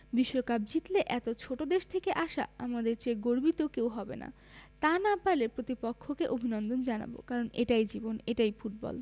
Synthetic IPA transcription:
biʃːokap̚d͡ʑit̪leʔɛt̪ot͡ɕʰoʈod̪eʃt̪ʰekeʔaʃa̰amad̪eɾt͡ɕeɡoɾbit̪okewɦɔbḛna̰ | t̪anapalepɾot̪ipokʰːokeʔobʱinɔnd̪ond͡ʑana̰bo̰kaɾoneʈajd͡ʑiboneʈajfuʈ̚bɔ̰l

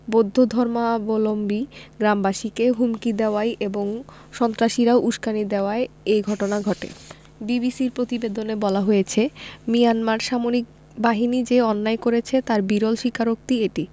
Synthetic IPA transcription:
bod̪ʱːod̪ʱɔɾmabolombiɡɾambaʃikeɦumkid̪eoajʔeboŋ | ʃɔnt̪ɾaʃiɾaoʔuʃkanid̪eoaeejɡʱɔʈonaɡʱɔʈḛ | bibisiɾpɾot̪ibed̪onebɔlaɦojet͡ɕʰemijanmaɾʃamoɾik̚ | baɦinid͡ʑeɔnːaekoɾet͡ɕʰet̪aɾbiɾolʃikaɾok̚t̪ieʈi

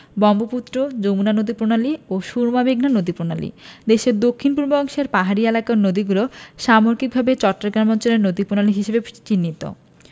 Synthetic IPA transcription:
bɔmboput̪ːɾod͡ʑomunanod̪ipɾonalioʃuɾmabeɡnanod̪ipɾonalḭd̪eʃeɾd̪okʰːinpuɾbɔŋʃeɾpaɦaɾielakaɾnod̪iɡuloʃamoɾkik̚bʱabet͡ɕɔʈːaɡɾamɔnt͡ɕoleɾnod̪ipɾonaliɦiʃebet͡ɕinːit̪o̰

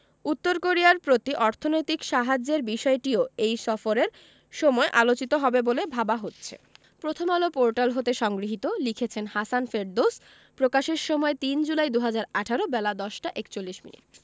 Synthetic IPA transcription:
ut̪ːoɾkoɾiaɾpɾot̪iʔɔɾt̪ʰonojt̪ikʃaɦad͡ʑeɾbiʃɔeʈioejsɔfoɾeɾ | ʃɔmɔeʔalot͡ɕit̪oɦɔbebolebʱabaɦotːɕʰḛ | pɾot̪ʰomalopoɾʈalɦot̪eʃɔŋɡɾiɦit̪olikʰet͡ɕʰenhasanfeɖ̚d̪os | pɾokaʃeɾʃɔmɔet̪ind͡ʑulajd̪uɦad͡ʑaɾaʈʰaɾobɛlad̪ɔʃʈaʔekt͡ɕolːiʃmḭnḭʈ

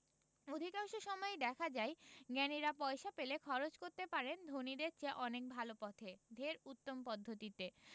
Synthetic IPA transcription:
od̪ʱikaŋʃoʃɔmɔed̪ɛkʰad͡ʑaeɡɛniɾapɔeʃapelekʰɔɾot͡ɕkoɾt̪epaɾend̪ʱonid̪ek̚t͡ɕʰeʔɔnek̚bʱalopɔt̪ʰed̪ʱeɾut̪ːompɔd̪ʱːot̪it̪e

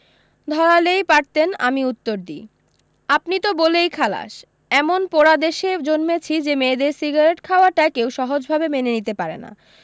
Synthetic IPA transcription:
d̪ʱɔɾalejpaɾt̪ena̰miut̪ːoɾd̪ḭ | apnit̪obolejkʰala̰ʃ | ɛmonpoɾad̪eʃed͡ʑonmet͡ɕʰid͡ʑemeːd̪eɾsiɡaɾeʈkʰaoaʈaekewʃɔɦod͡ʑbʱabemenenit̪epaɾḛna̰

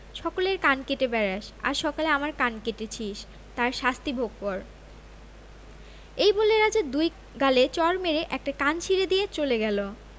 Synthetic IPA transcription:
ʃɔkoleɾkankeʈebɛɾaʃa̰ɾʃɔkaleamaɾkankeʈet͡ɕʰiʃ | t̪aɾʃast̪ibʱoɡ̚pɔɾ | ejboleɾad͡ʑaɾd̪uj | ɡalet͡ɕɔɾmeɾeʔɛk̚ʈakant͡ɕʰiɾed̪ijet͡ɕoleɡɛlo

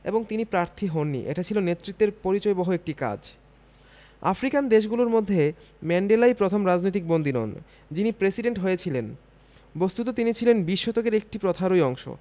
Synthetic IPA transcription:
ḛboŋt̪inipɾaɾt̪ʰiɦonːḭʔḛʈat͡ɕʰilonet̪ːɾit̪ːeɾpoɾit͡ɕɔebɔɦoek̚ʈika̰d͡ʑ | a̰fɾikand̪eʃ̬ɡuloɾmod̪ʱːe | mɛɳɖelajpɾot̪ʰomɾad͡ʑnojt̪̬ik̚bond̪inɔ̰n | d͡ʑinipɾesiɖeɳʈɦojet͡ɕʰilen | bost̪ut̪ot̪init͡ɕʰilenbiʃːot̪okeɾek̚ʈipɾot̪ʰaɾojɔŋʃo̰

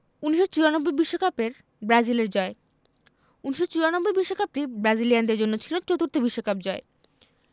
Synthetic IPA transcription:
uniʃot͡ɕiɾanobːojbiʃːokapeɾ | bɾad͡ʑileɾd͡ʑɔe | uniʃot͡ɕuɾanobːojbiʃːokap̚ʈibɾad͡ʑiliand̪eɾd͡ʑonːot͡ɕʰilot͡ɕot̪uɾt̪obiʃːokap̚d͡ʑɔe

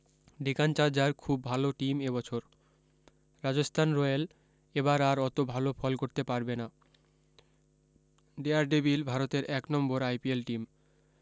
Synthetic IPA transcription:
ɖikant͡ɕaɾd͡ʑaɾkʰubːʱaloʈimebɔt͡ɕʰoɾ | ɾad͡ʑost̪ʰanɾɔel | ebaɾaɾɔt̪obʱalofʰɔlkoɾt̪epaɾbena | ɖiaɾɖibilbʱaɾot̪eɾɛknɔmboɾajpielʈim

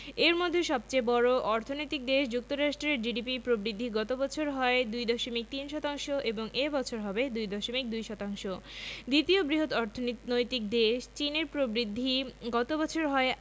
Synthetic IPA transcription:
eɾmɔd̪ʱːeʃɔb̚t͡ɕebɔɾoʔɔɾt̪ʰonojt̪ik̚d̪eʃd͡ʑuk̚t̪oɾaʃʈɾeɾɖiɖipipɾobɾid̪ʱːiɡɔt̪obɔt͡ɕʰoɾɦɔed̪ujd̪ɔʃomik̚t̪inʃɔt̪aŋʃoʔeboŋʔebɔt͡ɕʰoɾɦɔbed̪ujd̪ɔʃomik̚d̪ujʃɔt̪aŋʃod̪it̪iobɾiɦod̪ɔɾt̪ʰonojt̪ik̚d̪eʃt͡ɕineɾpɾobɾid̪ʱːiɡɔt̪obɔt͡ɕʰoɾɦɔe

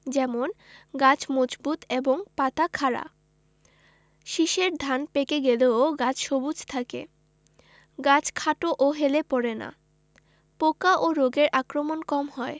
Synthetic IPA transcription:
d͡ʑɛmonɡat͡ɕmod͡ʑbut̪eboŋpat̪akʰaɾa̰ | ʃiʃeɾd̪ʱanpekeɡeleoɡat͡ɕʰʃobud͡ʑt̪ʰakḛ | ɡat͡ɕʰkʰaʈoʔoɦelepɔɾena̰ | pokaʔoɾoɡeɾʔakɾomonkɔmɦɔe

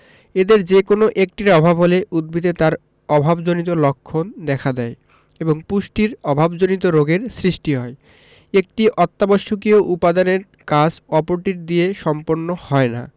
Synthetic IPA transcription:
ed̪eɾd͡ʑekonoʔek̚ʈiɾɔbʱabɦoleʔud̪̚bʱid̪et̪aɾ | ɔbʱabd͡ʑonit̪̬olokʰːond̪ɛkʰad̪ɛe | eboŋpuʃʈiɾɔbʱabd͡ʑonit̪oɾoɡeɾsɾiʃʈiɦɔe | ek̚ʈiʔɔt̪ːaboʃːok̬ioʔupad̪aneɾ | kad͡ʑɔpoɾʈiɾd̪ieʃɔmpoɾnːohɔena̰

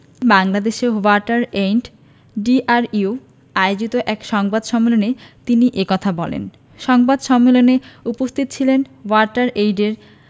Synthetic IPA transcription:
baŋlad̪eʃewaʈaɾejɳʈ | ɖiʔaɾiu | aeod͡ʑit̪oʔɛkʃɔŋbad̪ʃɔmːelonet̪iniʔekɔt̪ʰabɔlḛn | ʃɔŋbad̪ʃɔmːeloneupost̪ʰit̪ot͡ɕʰilen | waɾʈaɾejɖeɾ

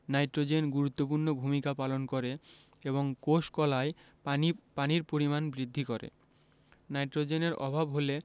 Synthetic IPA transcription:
najʈɾod͡ʑenɡuɾut̪ːopuɾnobʱumikapalonkoɾeeβoŋkoʃkɔlae | paniɾpoɾimanbɾid̪ʱːikoɾḛ | najʈɾod͡ʑeneɾɔ̰bʱabɦole

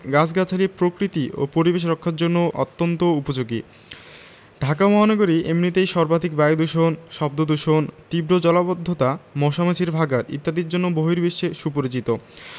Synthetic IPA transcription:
ɡat͡ɕʰɡat͡ɕʰalipɾokɾit̪io̰poɾibeʃ̬ɾokʰːaɾd͡ʑonːoʔɔ̰t̪ːont̪oupod͡ʑoɡi | ɖʱakamɔɦanaɡoɾiʔemnit̪ejʃɔɾbad̪ʱikbajd̪uʃonʃɔb̚d̪od̪uʃont̪ibɾod͡ʑɔlabod̪ʱːot̪amɔʃamat͡ɕʰiɾbʱaɡaɾḭt̪ːad̪iɾd͡ʑonːoboɦiɾbeʃeʃupoɾit͡ɕit̪o

